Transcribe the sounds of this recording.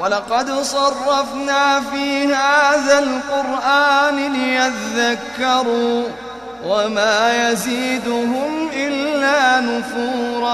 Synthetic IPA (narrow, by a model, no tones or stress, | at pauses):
walɑqɑd̪sˤɑrˤːɑfnaːfiːhaːðalqʊɾʔaːnɪlɪjat̪aðakːɑɾuː | wamaːjaziːd̪ʊɦʊmʔɪlːaːnʊfuːɾˤɑ